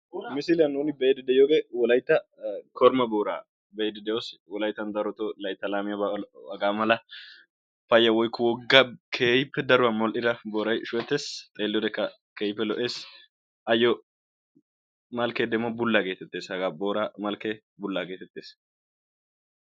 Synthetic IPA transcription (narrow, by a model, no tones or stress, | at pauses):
mɪsɪlɪjɐnːuːnɪbɛjd̪ɛd̪ɛjoːɡeːwɔlɐjt̪ːɐkɔɾmɐboːɾa̰ː | bejd̪ɛd̪ɛjoswɔlɐjt̪ːɐnd̪ɐɾɔt̪olɐjɪt̪ːɐlaːmɪjɐbɐɡaːmɐlɐ | fɐjːɐwɔjkːɔwɔɡːɐkʰeːjɪpːɛd̪ɐɾʊwɐnmɔlʔɪɾɐboːɾɐjʃʊɛt̪ːeːst̪ʼeːlːɔd̪ɛkːɐ | keːjɪpːɛlɔʔe̞ːs | ʔɐjɔ | mɐlkeːd̪ɛmːɔbʊlːaɡeːt̪ɛt̪ːe̞ːshɐɡaːboːɾamɐlke | bʊlːaɡeːt̪ɛt̪ːeːs